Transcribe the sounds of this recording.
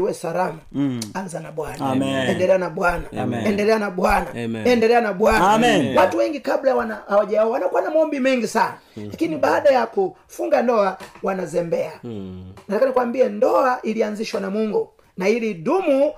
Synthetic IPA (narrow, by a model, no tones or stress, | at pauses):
wɛsalamaanzanaɓwanaaɛndɛlɛanaɓwanaɛndɛlɛanaɓwanaɛndɛlɛanaɓwanawatuwɛŋɡikaɓlawanahawaʄaawanakuanamaɔmbimɛŋɡisanalakiniɓaːɗajaku | fuŋɡandɔawanazɛmbɛanatakanikwambiɛndɔaʔilianziʃwanamuŋɡu | nailiɗumu